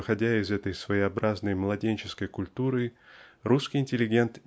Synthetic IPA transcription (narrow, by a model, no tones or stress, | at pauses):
ɨxɐdʲæɪzɛt̪əjsvəjɪɐbɾaznəjmlˠɐdʲenʲt͡ɕɪ̥skəjkʊlʲt̪uɾɨruskʲijɪnʲtʲɪlʲɪɡʲe̞nt̪